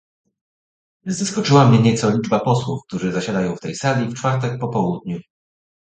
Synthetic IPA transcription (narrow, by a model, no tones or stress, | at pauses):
zaskɔt͡ʂɘwamɲɛɲɛt̪sɔlʲid͡ʐbapɔswufk̚t̪uʐɘzaɕad̪ajɔ̃w̃ft̪ɛjsalʲift͡ʂfaɾt̪ɛk̚pɔpɔwud̪̚ɲu